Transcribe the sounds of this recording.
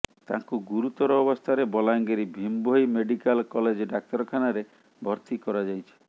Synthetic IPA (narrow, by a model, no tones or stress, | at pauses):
t̪a̰ŋkuɡuɾut̪ɔɾɔːbɔst̪ʰaɾebɔlaŋɡeɾibʱimbojmeɖikalkɔled͡ʒɔɖak̚t̪ɔɾɔkʰanaɾe | bʱɔɾt̪ikɔɾad͡ʒajt͡ʃʰi̥